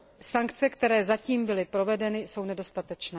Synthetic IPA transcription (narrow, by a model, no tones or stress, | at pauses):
saŋkt͡sɛkt̪ɛɾɛːzaciːmbɪlɪpɾo̞vɛdɛnɪso̞wnɛdo̞st̪at̪ɛt͡ʃnɛː